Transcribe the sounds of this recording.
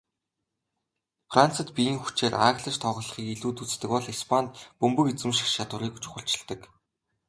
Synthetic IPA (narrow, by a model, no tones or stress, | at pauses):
fran̥t͡sə̆t̪pʲijiːŋxu̥t͡ɕeːrʔaːɣɮə̆t͡ɕt̪ʰɔːʁə̆ɮə̆χiːkiɮuːt̪ut͡st̪ɘ̆kpɔɮispʰant̪pɵmpɵ̆ket͡sɘ̆mʃĭ̥χʃat̪wʊ̆ɾiːku̥t͡ɕʊ̥χə̆ɬt͡ɕɪ̆ɮt̪ə̆k